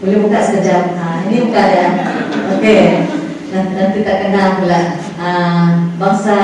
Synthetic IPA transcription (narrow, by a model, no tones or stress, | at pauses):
bolehbukaʔsə̥kəd͡ʒam̚əinibukaʔjaoke | nanant̪it̪aʔkənaŋpulah | əbaŋsa